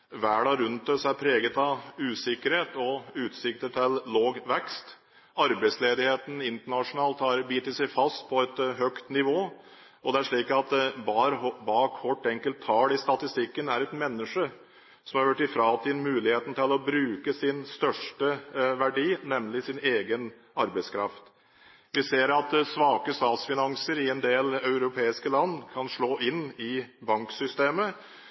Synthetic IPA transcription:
ʋæːɖɑɾʉnt̪ɔsæɾpʰɾeːɡət̪ɑʉːsɪkːəɾheːt̪ɔʉːt̪sɪk̚t̪əʈ̪ʰɪlːoːɡʋɛkst̪ | ɑɾbæɪsleːd̪ɪheːt̪n̩ɪnt̪əɳɑʂʊnɑːlt̪hɑɾbiːt̪əsɛɪfɑst̪̚pʰɔɛt̪ɦœkt̪nɪʋoː | ɔd̪ɛæʂɭiːkɑt̪bɑːɾbɑːkhɔʈːɛŋkəlt̪ʰːɑːlɪst̪ɑt̪ɪst̪ɪkːənæɾɛt̪mɛnːəʂə | sɔmɑɾʋæʈːɪfɾɑːt̪ʰiːd̪n̩mʉːlɪheːt̪n̩t̪ʰɪlɔbɾʉːkəsɪnst̪œʂʈəʋæɖiːnɛmlɪsɪneːɡən | ɑɾbæɪskʰɾɑ̰ft̪ | ʋɪseːɾɑt̪sʋɑːkəst̪ɑːsfɪnɑŋsəɾɪɛnd̪eːlɑʉɾʊpʰeːɪskəlɑnːkʰɑnʂɭoːʔɪnːɪbɑŋksʏst̪eːmə

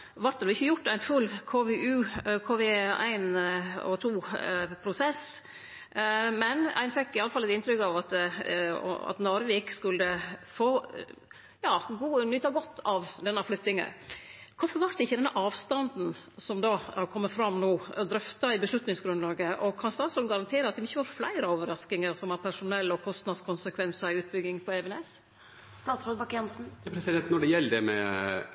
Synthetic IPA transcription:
ʋɑɾʈ̪əd̪ʊɪçːəjʊʈːæɪnfʉlːkʰoːʋɛʔʉːkʰoːʋɛæ̰ɪnɔ̰t̪ʰuːpʰɾʊsɛs | mɛnæ̰ɪnfɛkːɪɑlːəfɑlːɛt̪ɪnt̪ɾʏkɑʋɑt̪ | ɔ̰ɑ̰t̪nɔɾʋɛːkskʉlːəfoː | jɑːɡuːnʏt̪ːɑɡɔt̪ːɑʋd̪ɛnːɑflʉt̪ɪŋə̰kʰʊfɔɾʋɑɾt̪ɪçːəd̪ɛnːəʔɑːʋst̪ɑnd̪n̩sɔmd̪ɑːkʰɔmːəfɾɑmnuːd̪ɾœft̪ɑɪbəslʉt̪nɪŋsɡɾʉnlɑːɡəʔɔkʰɑnst̪ɑːt̪sɔːlɡɑɾɑnt̪ʰeːɾəɑt̪̚d̪ɛmɪçːəʋɑːɾflæ̰ɪɾəoːʋəɾɑsk̪ɪŋəɾsɔmɑɾpʰæʂʊnɛlːɔkʰɔst̪nɑd̪skʊnsəkʰʋɛnsəɾɪʉːt̪̚bʏɡːɪŋpʰɔɛʋɛnɛs | st̪ɑːt̪sɾoːd̪bɑkjɛnsn̩pʰɾɛsɪd̪ɛnt̪nɔɖɛjɛlːəd̪ɛmɛ̰

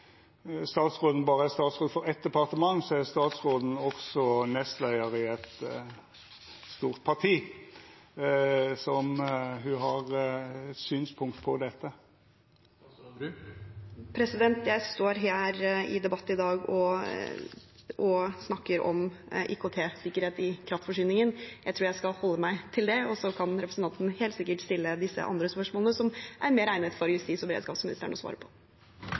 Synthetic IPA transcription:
st̪ɑːt̪sʁoːd̪n̩bɑːʁəæst̪ɑːt̪sʁoːd̪fɔɾɛt̪̚d̪ɛpɑʁt̪əmɑŋːsɔæʁst̪ɑːt̪sʁoːd̪n̩ɔksɔnɛst̪læɪəɾɪɛt̪ | st̪uːʁt̪̚pʰɑʁt̪ʰiː | sɔmɦʉɦɑʁ | syːnspʰʊŋkt̪pʰɔd̪ɛt̪ːə | pʰɾɛsɪd̪ɛnt̪jæɪst̪oːɾɦæːɾɪ̰d̪ɛbɑt̪ːɪd̪ɑːɡɔ | ʔɔsnɑkːəɾɔ̰mʔḭːkʰot̪ʰeːsɪkːəɾheːt̪ɪkʰɾɑft̪fɔʂyːnɪŋənjæɪt̪ʰuːɾjæɪskɑlhɔlːəmæɪt̪ʰɪld̪ɛɔsɔkʰɑnɾɛpɾəsən̩t̪ɑnt̪nheːlt̪sɪkːəʈst̪ɪlːəd̪ɪsːə̰ʔɑ̰nd̪ɾəspœʂmoːlənəsɔmʔæɾmeːɾæɪnət̪fɔɾjʉst̪iːsɔbɛɾḛd̪skɑːpsmɪnɪst̪ə̰ɳɔ̰sʋɑ̰ːɾəpʰɔ̥

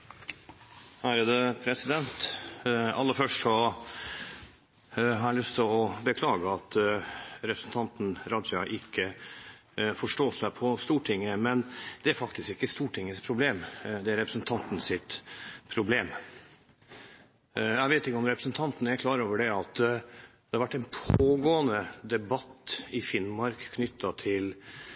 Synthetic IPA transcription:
hæɾəd̪əpʰɾɛsɪd̪ɛnt̪ | ɑ̰lːəfœʂʈsɔ | ɦɑɾælʏst̪ʰɪlɔbəkʰlɑːɡəɑt̪ | ɾɛpɾəsn̩t̪ʰɑnt̪n̩ɾɑd̪d͡ʒɑʔɪkʰːə | fɔʂʈoːsæɪpʰɔst̪uːʈʰɪŋːəmɛnd̪̥ɛæɾfɑkt̪ɪskɪkːəst̪uːʈʰɪŋːəspʰɾʊbleːmd̪ɛæɾɛpɾəsnt̪ʰɑnt̪n̩sɪt̪pʰɾʊbleːm | jæʋeɪt̪ɪkːəɔmɾɛpɾəsnt̪ʰɑnt̪nəæɾkʰlɑːɾoːʋəɖɛɑt̪d̪ɛhɑɾʋæʈːæɛɪnpʰoːɡoːənəd̪ɛbɑt̪ːɪfɪnmɑɾkʰːnʏt̪ːɑt̪ʰɪl

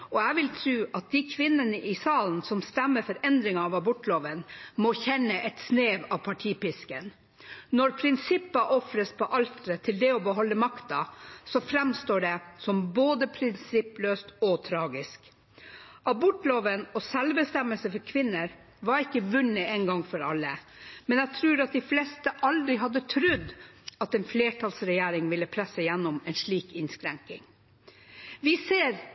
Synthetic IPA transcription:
ɔæʋɪlt̪ʰɾʉːʔɑt̪̚d̪ɪkʰʋɪnːənəʔɪsɑːln̩sɔmst̪æmːəɾfɔɾɛnd̪ɾɪŋɑɑːʋɑbʊʈːloːʋənmɔçɛnːəʔɛt̪sneːʋɑpʰɑʈʰiːpɪskən | nɔɾpʰɾɪnsɪpːəʔɔfɾəspʰɔʔɑlt̪ɾət̪ʰɪld̪ɛɔbəɦɔlːəmɑkt̪ɑsɔfɾɛmst̪oːɖɛsɔmboːd̪əpʰɾɪnsɪpløːst̪ɔt̪ʰɾɑːɡɪsk | ʔɑbʊʈːloːʋənɔsɛlbəst̪ɛmːəlsəfɔɾkʰʋɪnːəɾ | ʋɑɾɪkːəʋʉnːəɛnɡɑŋːfɔɾɑlːə | mɛnɛɡt̪ʰɾʉːɾɑt̪̚d̪ɪflɛst̪əʔɑld̪ɾɪɦɑd̪ət̪ʰɾʉd̪ːɑt̪ɛnfleːʈʰɑlsɾɛjæːɾɪŋʋɪlːəpʰɾɛsəjɛnːʊmɛnʂɭiːkɪnskɾæŋkɪŋ | ʋɪseːɾ

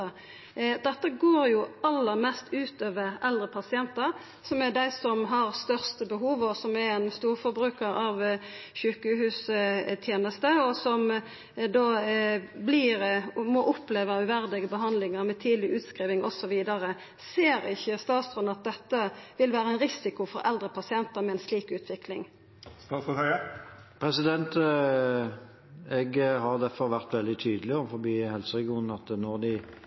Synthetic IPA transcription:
d̪ɛt̪ːəɡoːɾjʊɑlːəʁmɛst̪ʰʉːt̪øːʋəʁɛld̪ɾəpʰɑsɪɛnt̪əɾ | sɔmæd̪æɪsɔmɦɑʁst̪œʁst̪əbəɦuːʋɔsɔmæɾɛnst̪uːɾfɔɾbɾʉːkəɾɑʋ | çʏkəhʉːst̪ʰjeːnəst̪əɔsɔm | d̪oːbliːʁmɔʔʊpleːʋəʉʋæɾd̪ɛɡəbəɦɑnd̪lɪŋəʁmɛt̪ʰiːd̪lɪʔʉːt̪skɾiːʋɪŋɔsɔʋiːd̪ɑɾə | seːɾɪçːəst̪ɑːt̪st̪ʁɔnɑt̪̚d̪ɛt̪ːəʋɪlʋæːɾəɛnɾɪsɪkʊfɔɾɛ̰ld̪ɾəpʰɑsɪɛnt̪əɾmɛɛnsliːkʉːt̪ʰʋɪklɪŋ | st̪ɑːɔɑə | pʰɾɛsɪd̪ɛnt̪ | ɛɡɦɑʁd̪æfɔʁʋæʁt̪ʋɛld̪ɪt̪ʰyːd̪əlɪɔfɔɾbiːhɛlsəɾɛɡɪuːnɑt̪nɔʁd̪ɪ

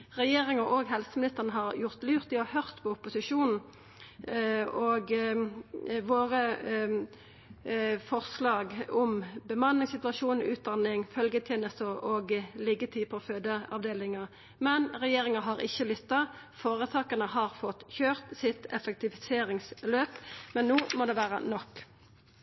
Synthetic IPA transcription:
ʁɛjeːʁɪŋəʔoːɡhɛlsəmɪnɪst̪əʁnəɦɑʁjʊʁt̪lyːʁt̪ɪɔhœʁt̪pʰɔʊpʊsɪʃuːnn̩ | oːɡ | ʋoːʁə | fɔʁslɑːɡɔmbəmɑnːɪŋsɪt̪ʉɑʃuːnn̩ʉ̰ːt̪̚d̪ɑnɪŋfœlɡət̪ʰjeːnəst̪əɔːɡlɪɡət̪ʰiːpʰɔføːd̪əɑ̰ʋd̪eːlɪŋɑ | mɛnʁɛjeːʁɪŋɑɦɑʁɪ̰çːəlʏt̪ːɑ | foːʁət̪ʰɑːkənəɦɑʁfɔt̪ːçøːʁt̪sɪt̪ɛfɛk̚t̪ɪfɪseːʁɪŋsløːpmɛnnːoːmoːd̪ɛʋæːʁə̰nɔkː

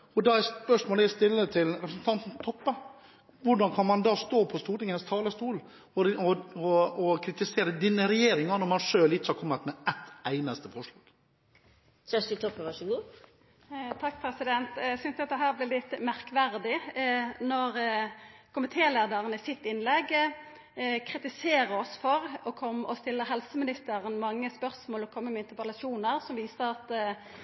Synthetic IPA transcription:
ɔd̪ɑɛspœʂmoːləst̪ɪlːət̪ʰɪlɾɛpɾsn̩t̪ʰɑnt̪n̩t̪ʰɔpːə | ʋʊɖɑnkʰɑnmɑnd̪ɑːst̪oːpʰɔst̪uːʈ̪ɪŋənst̪ʰɑːləst̪uːl | ɔɔɔɔkʰɾɪt̪ɪseːɾəd̪iːnəɾɛjeːɾɪŋɑnɔɾmɑnʂøːlɪt͡ʃəhɑɾkʰɔmːət̪mɛæt̪ːæɪnəst̪əfɔʂlɑːɡ̥ | sesd̪ɪt̪ʰɔpːəʋɑʂəɡuː | t̪ʰɑkːpʰɾɛsɪd̪ɛnt̪æsʏnsd̪ɑt̪̚d̪ɛɦæːɾblɛːlɪt̪ːmæʁkʋæʁd̪ɪnɔɾ | kʰʊmɪt̪ʰeːleːd̪əʁənəɪsɪt̪ːɪnlɛɡ | kʰʁɪt̪ɪseːɾəɔsfɔɾɔkʰɔmːʔɔst̪ɪlːəɦɛlsəmɪnɪst̪əʁənmɑŋːəspœɾsmoːlɔkʰɔmːəmɛɪnt̪əpəlɑʃuːnəʁsɔmʋiːsəɾɑt̪

